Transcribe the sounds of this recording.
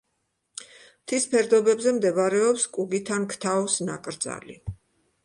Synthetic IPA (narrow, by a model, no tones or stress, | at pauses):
t̪ʰispʰɛɾd̪ɔbɛbzɛmd̪ɛβaɾɛɔpskʼuɡit̪ʰankʰt̪ʰaɔsna̰kʼɾd̪za̰lḭ